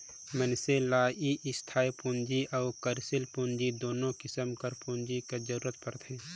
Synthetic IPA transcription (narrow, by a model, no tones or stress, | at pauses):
mənselaːiʔɪst̪ʰaːjpũːnd͡ʒiʔəːkəɾsɪlpũːnd͡ʒid̪oːnõkɪsəmkəɾpuːnd͡ʒiked͡ʒəɾuːɾət̪̚pəɾt̪ʰeː